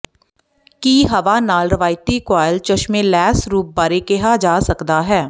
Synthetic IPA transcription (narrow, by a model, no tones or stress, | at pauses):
kiːɦɐʋanaːlɾɐʋaːɪt̪ikwaːjəlt͡ʃəʃmẽlɛːsɾuːp̚baːɾekeɦad͡ʒaːsɐkd̪aɦɛː